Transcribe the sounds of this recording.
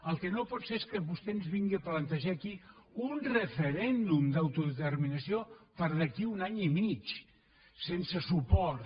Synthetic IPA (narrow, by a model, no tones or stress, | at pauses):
əlˠkənopɔt̪seeskəβust̪enzβiŋɡiaplənt̪əʒakiunrəfəɾɛnd̪umd̪awt̪uðət̪ərminəsiopəɾðəkiunaɲimit͡ʃ | sensəsupɔɾ